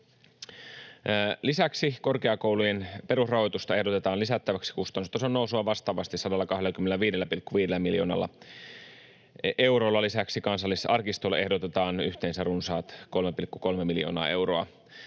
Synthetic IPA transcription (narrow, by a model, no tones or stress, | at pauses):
lisæksiko̞rkeɑkowlujenpe̞ɾusrɑɦo̞jt̪ust̪ɑe̞hdo̞t̪e̞t̪ɑːnlisæt̪ːæʋæksi̥kust̪ɑnust̪ːɑseonːousuɑʋɑst̪ɑːʋɑst̪isɑdɑlːɑkɑɦdelːækymːenæʋiːdelːæpilkːuʋiːdelːæmiljo̞ːnɑ̰lːɑ̰ | ʔe̞wɾo̞ːlːɑlisæksikɑnsɑlːisɑrkist̪ole̞hdot̪et̪ɑːnyçt̪eːnsærunsɑːt̪ko̞lmepilkːuko̞lmemiljo̞̰ːnɑ̰ːe̞wroɑ